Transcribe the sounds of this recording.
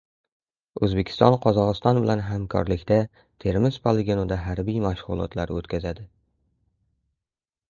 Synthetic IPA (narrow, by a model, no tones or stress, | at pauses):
ɵzbekʲʰɪ̥st̪ɒnqʰɒzɒʁɨst̪ɒnbɪlanɦamkʰɒ̰ɾlɪkʲt̪a | t̪ʰe̞ɾmɪzpʰolˠeɡʲinod̪aɦaɾbijmaʃʁʊlˠɒ̰t̪ʰlaɾot̪kʲʰazad̪ɪ